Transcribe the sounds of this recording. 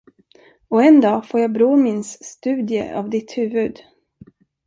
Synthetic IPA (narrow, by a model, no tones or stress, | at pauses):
ɔɛnd̪ɑːfoːɾjɑbɾuːmɪnsːt̪ʉ̟ːd̪jə̰ʔɑ̰vd̪ɪt̪hʉ̟ːvɵd̪